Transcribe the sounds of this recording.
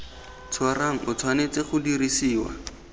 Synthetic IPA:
t͡sʰwaraŋ̩ʔʊt͡sʰwanet͡seχʊdirisiːwa̰

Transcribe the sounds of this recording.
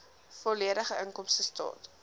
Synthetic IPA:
fɔliəɾəχəʔəŋkɔmsəstɑ̰ːt

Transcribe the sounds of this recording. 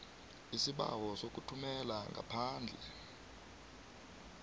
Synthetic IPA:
isiɓa̰wɔsok̬ʼutʰumɛlaŋɡʱa̰pʰaːnd͡ɮʱɛ

